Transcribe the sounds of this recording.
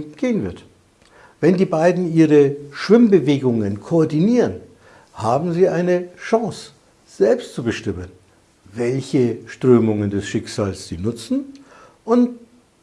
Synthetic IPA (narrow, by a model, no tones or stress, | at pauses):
ɡ̥eːənvɪɐt | vɛndiːbaɪdn̩iːʁəʃv̥ɪmbəveːɡʊŋənkʰoɔɐdiniːʁən | haːbm̩ziːʔaɪnəʃɑ̃ŋs | z̥ɛlpstt͡subəʃtɪmən | vɛlçəʃtʁ̥øːmʊŋəndɛsʃɪkz̥aːlsz̥ḭːnʊt͡sn̩ | ʔʊnt